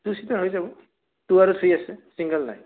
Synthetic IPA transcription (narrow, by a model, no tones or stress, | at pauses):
tusitaɹɦojzabɔ | tuaɹutʰiasɛsiŋɡəlna̰j